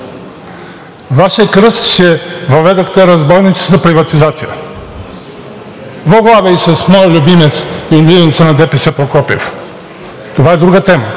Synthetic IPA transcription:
vaʃəkɾəst̪ʃɛvɐvɛd̪ɐxt̪ɛɾɐzbɔnit̪sɛ̥zɐpɾivɐt̪izat̪sijə | voɡlˠavɛjsɐsmɔjlʲubimɛt̪silʲivnt̪sənɐd̪ɛpɛsɛpɾokɔpḭf | t̪ovaɛd̪ɾuɡət̪ɛmə

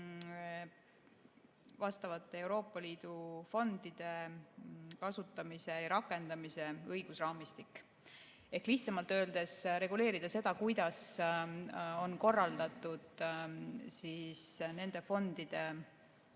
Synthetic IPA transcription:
vɑst̪ɑvɑt̪ːˑe̞e̞wɾo̞ːpːˑɑliːd̪̥ufo̞nd̪̥id̪̥e̞ | kɑsut̪ːˑɑmise̞jɑɾɑkːˑe̞nd̪ɑmise̞ɤjɡ̥usrɑːmist̪ikːˑ | e̞hkliçt̪sɑmɑlt̪ˑø̞ːld̪̥e̞sɾe̞ɡule̞ːɾid̪̥ɑse̞d̪̥ɑkujd̪̥ɑs | o̞nko̞rːɑld̪̥ɑt̪ːˑud̪̥ | siːsne̞nd̪̥e̞fo̞nd̪̥id̪̥e̞

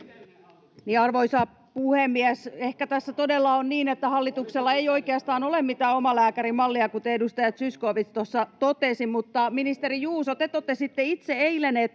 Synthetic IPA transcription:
niːɑrʋoisɑ | puhemːiæsehkæt̪æsːæt̪odelːɑonniːnet̪ːæhɑlːit̪ukselːɑejo̞ikeɑst̪ɑːnolemmit̪æːomɑlæːkæɾimɑlːiɑkut̪eedust̪ɑjɑt̪syskoːʋit̪st̪osːɑt̪ot̪esimut̪ːɑminist̪erijuːsot̪et̪ːot̪ːesit̪ːeit̪seeilenet̪

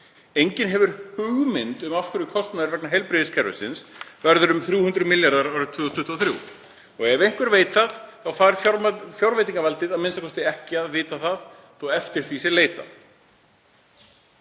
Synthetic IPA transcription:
ejɲcɪnɦɛvʏɾ̥hʏɣmɪnt̪ʏmafkʰʏɾʏkʰɔst̪naðɪɾvɛknaɦɛjlpɾɪðɪskʰɛɾvʏ̰sɪ̰nsvɛɾðʏɾʏmθɾjuːhʏnt̪ɾʏmɪljaɾðaɾaːwɾɪt̪ʰʏːðɔst̪ʰʏht̪ʰːuɔθɾjṵ | ɔɣɛvɪɾejŋ̥kvʏɾveːjt̪θaθθawfaːɪɾfjfjɔwɾvejt̪iŋkavalt̪ɪðaðmɪnsakʰɔst̪ɪɛhcɪaðvɪːt̪aθað | θowɛft̪ɪɾ̥θvisɛleːjt̪a̰θ

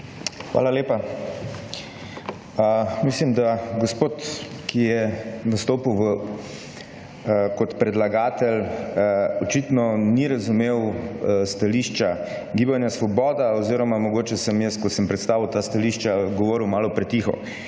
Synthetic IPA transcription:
xʋa̰ːlaleːpa | əmislimd̪aɡospoːt̪kijɛnast̪oːpiwʋə | kɔt̪pɾɛd̪laɡaːt̪ɛl | ɔt͡ʃit̪nɔniɾɐzumewst̪aliːʃt͡ʃa | ɡiːbanjasʋɔbɔːd̪aoziːɾɔmamɔɡoːt͡ʃɛsɛmjəskɔt̪səmpɾɛt̪st̪aːʋiwt̪aːst̪aliʃt͡ʃaɡɔʋoːɾiwmaːlɔpɾɛt̪ixɔ̰

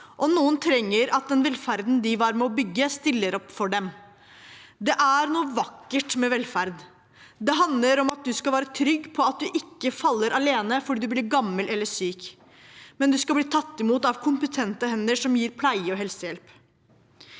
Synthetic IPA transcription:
ʔɔnuːənt̪ʰɾɛŋːəɾɑt̪̚d̪ɛnʋɛlfæɾd̪nd̪ɪʋæɾmɛɔbʏɡːəst̪ɪlːəɾɔpːfɔɖɛm | d̪ɛʔæɾnuːəʋɑkːəʈmɛʋɛlfæɾd̪ | d̪ɛɦɑnd̪ləɾɔmɑt̪̚d̪ʉskɑʋæːɾət̪ʰɾʏɡːpʰɔɑt̪̚d̪ʉʔɪkːəfɑlːəɾʔɑleːnəfɔɖiːd̪ʉblɪːɾɡɑmːəlʔɛlːəʂyːk | mɛnd̪ʉskɑlbliːt̪ʰɑt̪ːɪmuːt̪ɑʋkʰʊmpət̪ʰɛnt̪əhɛnːəʂɔmjiːɾpʰlæɪəɔɦɛlsəjɛlp

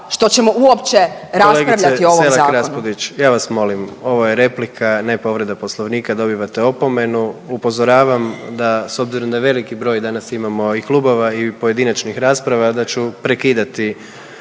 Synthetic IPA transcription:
ʃt̪o̞t͡ɕemo̞ʔuopt͡ʃeɾaosleɡɾiaʋ̪ʎaioelaakːɾapod̪it͡ʃjaːʋasmo̞limo̞ʋojeɾe̞plikʰanepo̞ʋɾe̞d̪apo̞slˠo̞ʋniːkad̪o̞biʋat̪e̞o̞po̞me̞nuupo̞zo̞ɾaːʋamd̪aso̞bziɾo̞md̪aʋe̞likibɾo̞ːjd̪anasimamo̞iklˠubo̞ʋaipoje̞d̪inat͡ʃnixɾaːspɾaʋad̪at͡ɕupɾe̞kiːd̪at̪i

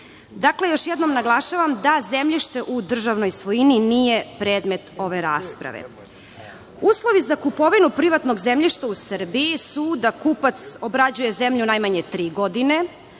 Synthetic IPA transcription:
d̪akle̞joʃjed̪no̞mnaɡlˠaʃaʋamd̪azemʎiʃt̪e̞ʔud̪r̩ʒaʋno̞jsʋojininije̞pɾeːd̪me̞t̪o̞ʋe̞ɾaːspɾa̰ʋḛ | uːslˠo̞ʋizakupo̞ʋinupɾiʋat̪no̞ɡzemʎiʃt̪ausr̩biisud̪akupat̪so̞bɾad͡ʑujezemʎunajmaɲet̪ɾiːɡo̞d̪ine̞

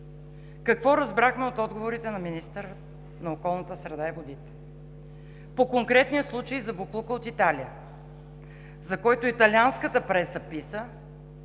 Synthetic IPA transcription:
kɐkvɔɾɐzbɾaxmɛot̪ɔd̪ɡovoɾit̪ɛnɐminist̪əɾə | nɐokɔlˠnət̪əsɾɛd̪aivod̪it̪ɛ̥ | pokoŋkɾɛt̪nijəslˠut͡ʃəjizɐboklˠukəot̪it̪alijə | zɐkɔjt̪oit̪ɐlʲianskət̪əpɾɛsəpisə

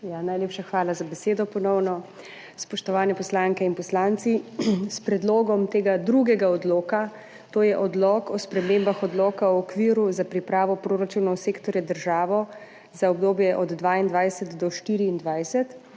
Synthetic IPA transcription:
janajleːpʃaxʋaːlazabɛseːd̪ɔpɔnɔwnɔ | spɔʃt̪ɔʋaːnɛpɔslaŋkɛinpɔslaːnt̪sispɾɛd̪loːɡɔmt̪eːɡad̪ɾuɡɛɡaɔd̪loːka | t̪oːjɛʔɔd̪lɔkɔspɾɛmeːmbaxɔd̪lɔːkaɔɔkʋiɾuzapɾipɾaːʋɔpɾoːɾat͡ʃunɔwseːkt̪ɔɾjad̪əɾʒaːʋɔ | zaɔbd̪oːbjɛʔɔd̪ːʋaːind̪ʋajsɛt̪d̪ɔʃt̪iːɾiːnd̪ʋajsɛt̪

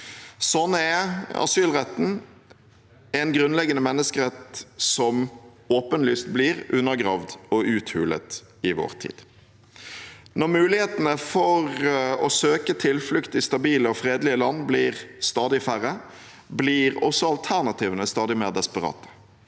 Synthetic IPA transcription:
sɔnːəɛɑ̰syːlʁɛt̪ːn̩ | ɛnɡʁʉnlɛɡənəmɛnːəskəʁɛt̪sɔm | oːpənlyːst̪̚blɪʁʉnːəɡʁɑːʋd̪ɔʉːt̪hʉːlə̰t̪ | ɪʋɔ̰ːʁt̪ʰḭːd̪̥ | nɔʁmʉːlɪheːt̪ənəfɔʁɔsøːkət̪ʰɪlflʉkt̪ɪst̪ɑbiːləɔfɾeːd̪lɪəlɑnːblɪːʁst̪ɑːd̪ɪfæʁːə | blɪʁɔ̰sːɔɑlt̪ʰæʁnɑt̪ʰiːʋənəst̪ɑːd̪ɪmeːʁd̪ɛspəʁɑ̰ːt̪ʰə̥

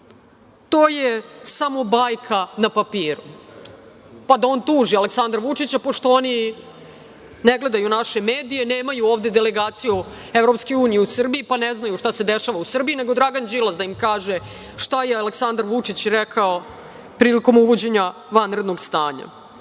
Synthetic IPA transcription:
t̪oːjesamo̞bajkʰanapapiːɾu | pad̪ao̞ːnt̪uːʒiale̞ksand̪ɾaʋut͡ʂit͡ɕapoʂt̪o̞oni | neɡle̞d̪ajunaʃe̞meːd̪ijeneːmajuoːʋd̪e̞d̪eleɡaːt̪siju | evɾo̞pskeuːnijeusr̩biipaneznajuʂt̪ase̞d̪eʃaʋausr̩bijine̞ɡod̪ɾaɡand͡ʒilˠazd̪aimkaːʒe | ʂt̪ajealeksand̪aɾʋut͡ʂit͡ɕɾɛkʰao | pɾiːliko̞muʋod͡ʑe̞ɲa | ʋanɾed̪noɡst̪aːɲa̰

